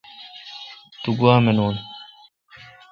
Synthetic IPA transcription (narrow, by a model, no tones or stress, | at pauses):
t̪uɡuaːmenoːn